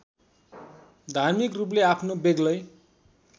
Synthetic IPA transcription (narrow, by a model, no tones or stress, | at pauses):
d̪ʱarmikrupleapʰnobeɡlʌj